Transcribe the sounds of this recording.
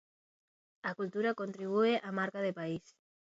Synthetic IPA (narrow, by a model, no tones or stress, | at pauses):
akult̪uɾakont̪ɾiβ̞ueʔamaɾkaðepais